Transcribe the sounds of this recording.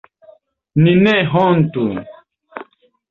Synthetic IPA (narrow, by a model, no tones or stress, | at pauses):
ninɛɦɔnt̪un